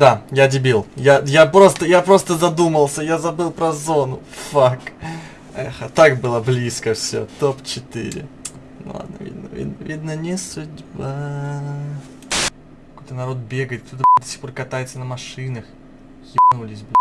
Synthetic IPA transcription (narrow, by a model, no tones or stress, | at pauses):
d̪ajadʲɪbʲilˠjajapɾo̞st̪əjapɾo̞st̪əzɐd̪uməlˠsʲəjazɐbɨlˠpɾɐzo̞nʊ | fak | ɛxət̪akbɨlˠəblʲiskəfsʲot̪opt͡ɕɪt̪ɨ̰ɾʲɪ̰ | n̰lˠa̰d̪nə̰vʲḭd̪nəvʲḭd̪nəvʲid̪nənʲɪsʊdʲba | kɐkojt̪ənɐɾo̞t̪̚bʲeɡəjɪt̪̚ft̪ʲut̪əd̪ɐsʲi̥xporkɐt̪ajɪt̪sənəmɐʂɨnəx | jʲɪpnulʲɪsʲbɨ